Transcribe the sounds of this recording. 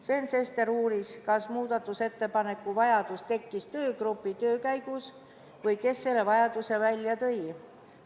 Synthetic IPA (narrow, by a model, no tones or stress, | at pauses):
sve̞nse̞st̪e̞ɾuːɾiskɑsmuːd̪̥ɑt̪ːˑuse̞t̪ːe̞pɑne̞kːˑuvɑjɑd̪̥ust̪e̞kːist̪ø̞ːɡ̥rupːˑit̪ø̞ːkæjɡ̥us | vɤjke̞sːe̞lːe̞vɑjɑd̪̥use̞vælʲjɑt̪ɤ̞j